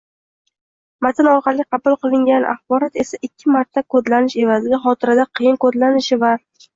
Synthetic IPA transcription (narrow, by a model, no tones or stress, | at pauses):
mat̪ʰɪnɒɾqɑɾlqʰɑbʊlˠqɨlˠɪŋɡʲanʔa̰χbɒɾɒt̪e̞saʔɪkʲʰːɪmaɾt̪ʰːakʰod̪lanɪʃe̞vazɪɡʲaχɒt̪ʰɪɾad̪aqʰɨjɪnkod̪lanɪʃɪva